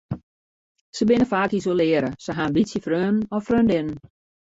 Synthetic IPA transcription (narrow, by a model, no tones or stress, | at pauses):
səbɪnəfaːkisolɪəɾəsəɦanbitsjəfrøːnn̩ɔfrøːndɪnən